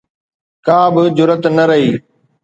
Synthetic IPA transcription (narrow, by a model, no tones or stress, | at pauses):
kaːbɪd͡ʑʊɾət̪nɐɾɐɦiː